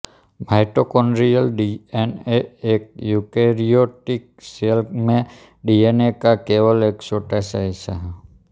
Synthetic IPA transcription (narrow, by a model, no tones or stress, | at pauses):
bʱajʈɔkɔnɾijalɖieneek̚jukeɾioʈik̚ | selkmẽ | ɖienekakebɔleksɔʈasajsaɦ